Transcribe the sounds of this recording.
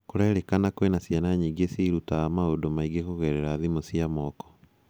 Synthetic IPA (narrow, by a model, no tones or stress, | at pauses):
koɾɛɾekanakowenasjanaɲiːɡesiːɾutamaodomaiɡekoɣɛɾɛɾaðimosiamɔːkɔ̥